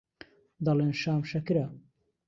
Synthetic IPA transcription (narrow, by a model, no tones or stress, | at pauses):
d̪ɐleːnʃaːmʃɐkɪɾɐ